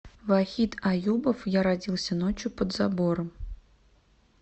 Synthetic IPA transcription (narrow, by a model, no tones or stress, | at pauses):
vaxʲit̪ɐjubəfjaɾɐdʲilˠsʲənot͡ɕjʊpəd̪zaboɾəm